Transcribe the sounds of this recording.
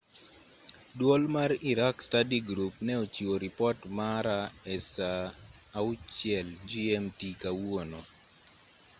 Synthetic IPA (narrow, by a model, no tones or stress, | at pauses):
dwɔlmariɾakstadiɡɾupnɛot͡ʃioɾipɔtmaɾaɛsaː | ʊt͡ʃjɛld͡ʒiɛmtikawonɔ